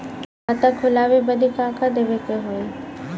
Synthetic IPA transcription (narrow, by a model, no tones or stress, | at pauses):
at̪ãkʰʊlaːʋebɐd̪ʱikãːkʰad̪eʋekəɦoːi